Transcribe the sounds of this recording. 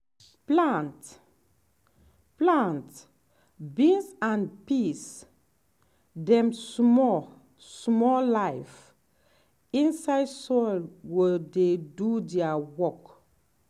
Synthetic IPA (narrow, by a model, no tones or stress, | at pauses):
plãnt | plãnt | bĩnsãnpis | dɛ̃msmɔ | smɔlajf | ĩnsajdsɔlwededudiawɔk